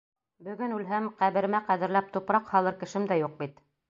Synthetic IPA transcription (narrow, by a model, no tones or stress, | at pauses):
bɵ̆ɡɘnʉlɦæmqæβɘ̆ɾmæqæðɘ̆ɾlæp̚t̪upɾɑqhɑlˠɤɾkɘ̆ʃɘmd̪æjuq̚bit̪